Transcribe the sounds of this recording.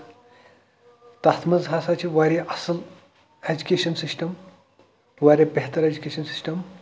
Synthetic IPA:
t̪at̪ʰməzʱasat͡ɕiʋaɾeʔɐsəl | ed͡ʑukʲeʃənsisʈəm | ʋaɾʲebeɦt̪əɾed͡ʑukʲeʃənsi̥sʈəm

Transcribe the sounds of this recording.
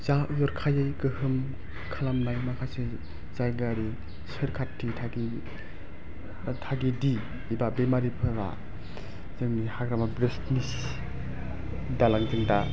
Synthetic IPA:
zajɔɾkʰajɯjkɯhɯm | kʰalamnajmakʰase | zajɡaɾi | sɯɾkʰatʰːitʰaɡi | tʰaɡidi | babemaɾipʰɯwa̰ | zɯŋnihakɾamabɾestnis | dalaŋzɯŋda

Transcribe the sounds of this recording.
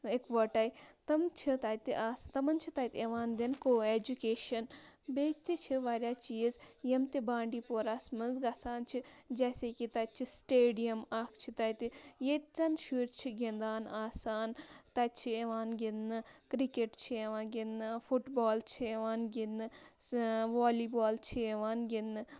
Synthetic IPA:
ekʋɐʈɐit̪ɐmt͡ʃʰit̪aːt̪iʔaːst̪ɐmɐnt͡ʃʰit̪aːjt̪ʲeʋaːnd̪enkoːeːd͡ʒukeːʃɐnbeːt͡ʃt̪it͡ʃʰiʋaːɾjaːt͡ʃiːzjemt̪ibãːɳɖiːpoːɾaːsmɐnzɡasaːnt͡ʃʰid͡ʒɛːseːkit̪ɐt̪̚t͡ʃʰisʈeːɖijɐmaːkʰt͡ʃʰit̪ɐt̪ijet̪t͡sɐnʃuːɾt͡ʃʰiɡend̪aːnaːsaːnt̪ɐt̪̚t͡ʃʰieʋaːnɡinnɨkɾikeʈt͡ʃʰieʋaːɡinɨfuʈbaːlt͡ʃʰieʋaːnɡinɨ | ʋaːliːbaːlt͡ʃʰieʋaːnɡinɨ

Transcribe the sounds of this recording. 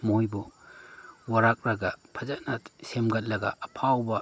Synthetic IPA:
mojbɔ | waɾak̚ɾaɡapʰazanasemɡat̚laɡa̰ːpʰawba

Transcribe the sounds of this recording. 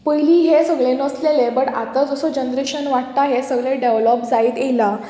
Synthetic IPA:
pəjliːɦesəɡɭenəslelebəɽat̪ad͡zɔsod͡ʑənd̪ɾekɕənʋaʈ̚t̪aɦesəɡɭeɖeʋlɔpd͡zaiːt̪ela

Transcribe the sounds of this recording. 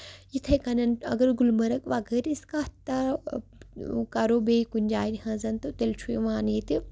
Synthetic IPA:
jit̪ʰɐkɐnɐnɐ̰ɡɐɾɡulmɐɾɐkʋaɡɐɾiskat̪ːa | kaɾoːbeːikunʲd͡ʒaːnhɐ̃zɐnt̪ot̪elt͡ʃʰuḛʋãːnit̪i

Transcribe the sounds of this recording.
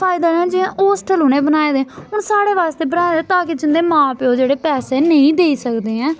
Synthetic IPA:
pʰaːɪd̪aːɛ̃ːd͡ʒɪãːʔoːsʈəlɦʊneːbənaːeːd̪eːɦʊɳsaːɽeːʋaːst̪eːbənaːeːd̪eːt̪ãːkɪd͡ʒɪnd̪eːmãːpɪoːd͡ʒeːɽeːpɛːseːnəĩːd̪eːiːsəkd̪eːɛ̃ː

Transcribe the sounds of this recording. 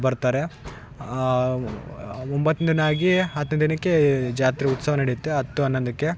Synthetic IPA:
bɐɾt̪aːɾe | ombɐt̪ːnind̪inaːɡiɦɐt̪ːɐnd̪d̪inɐkːed͡ʒaːt̪ɾiut̪sɐɦɐnɐɽijt̪ːeɦɐt̪ːuɐnːɐnd̪ɐkːe̞

